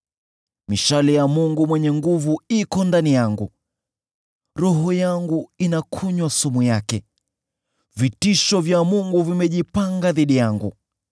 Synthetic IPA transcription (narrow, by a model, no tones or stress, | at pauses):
miʃalijamuŋɡumwɛɲɛŋɡuvuikɔndanijaŋɡṵ | ɾɔɦɔjaŋɡuinakʰuɲwasumujakɛ | vitiʃɔvjamuŋɡuvimɛʄipaŋɡaðiɗijaŋɡṵ